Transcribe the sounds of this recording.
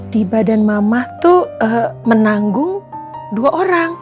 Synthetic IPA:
d̥ibadanmamaht̪uəmənaŋɡʊŋ | duaʔoɾaŋ

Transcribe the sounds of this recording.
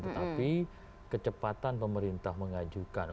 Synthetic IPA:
t̪ət̪api | kət͡ʃəpat̪anpəməɾint̪ahməŋad͡ʒukan

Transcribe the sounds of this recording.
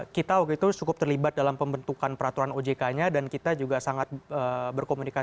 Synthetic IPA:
kit̪awakit̪ut͡ʃukʊp̚t̪ərlibat̪̚dalampəmbənt̪ukanpəɾat̪uɾanod͡ʒekaɲadankit̪ad͡ʒuɡasaŋat̪̚əːbərkomunika

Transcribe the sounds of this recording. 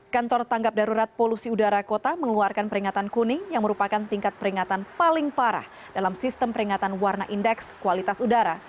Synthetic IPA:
kant̪ɔrt̪aŋɡap̚daɾuɾat̪̚polusiudaɾakot̪aməŋluarkanpəɾiŋat̪ankunɪŋjaŋməɾupakant̪iŋkat̪̚pəɾiŋat̪anpalɪŋpaɾa̰h | d̥alamsist̪əmpəɾiŋat̪anwarnaʔindɛkskualit̪asudaɾa

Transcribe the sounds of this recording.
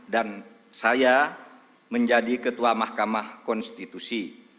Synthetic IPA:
dan | saja | məɲd͡ʒadikət̪uamahkamahkɔnst̪it̪usi

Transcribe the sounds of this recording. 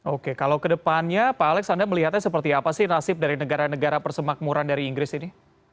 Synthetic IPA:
okekalawkədəpanɲapaːlɛksandərməliɦat̪̚ɲasəpərt̪iapasɪhnasɪp̚daɾinəɡaɾanəɡaɾapərsəmak̚muɾandaɾiːŋɡɾɪsini

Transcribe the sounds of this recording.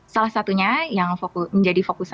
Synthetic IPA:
salahsat̪uɲajaŋfokʊməɲd͡ʒadifokus

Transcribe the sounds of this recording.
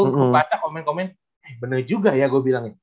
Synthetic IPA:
supat͡ʃakomɛnkomɛn | ɛhbənərd͡ʒuɡajaɡuabilaŋɪ

